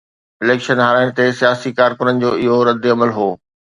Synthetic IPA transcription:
ɪleːkʃənɦaːɾaːɪɽ̃t̪esijaːsikaːɾkʊnənɪ̆d͡ʑoːɪɦoɾɐd̪ɪɐməlɦoː

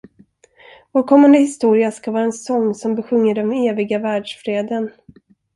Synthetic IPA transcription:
voːɾkʰɔmːand̪əhɪst̪uːɾɪaskavɑːɾaɛnsɔŋːsɔmbɛɧɵŋːəɖɔmeːvɪɡavæːɖʂfɾeːd̪ən

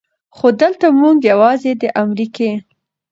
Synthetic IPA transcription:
xod̪əlt̪amuŋɡjawɑzed̪əʔamɾike

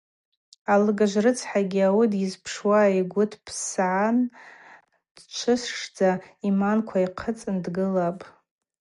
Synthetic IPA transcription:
alɨɡaʒʷrɨt͡sʰħaɡʲiawidjɪzpʰʂwaiɡʷʊtʰpʰsʕan | d̥t͡ʃʷʰɨsʂd͡zaimankʷʰaiqʰət͡sʼɨndɡɨlapʼ

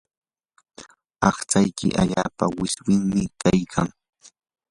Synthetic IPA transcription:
ɑχt͡sajkɪ̰ʔa̰ʎaːpawɪswɪŋmɪkajkʰaŋ

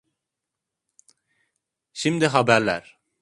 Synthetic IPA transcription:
ʃimd̪iɦabæɾlʲæ̰ɾ

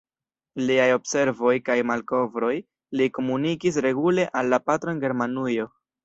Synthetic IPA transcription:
liajo̞bse̞ɾvo̞jkajmalko̞vɾo̞j | liko̞munikis̬ɾe̞ɡule̞ʔalːapatɾoenɡe̞ɾmanujo̞

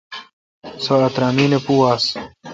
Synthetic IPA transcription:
soɐt̪ɾaːmiːnepuːaːs

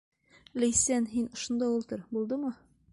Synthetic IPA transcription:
læjsænɦinŏʃŏnd̪ɑulˠt̪ɤɾbulˠd̪ɤmɤ

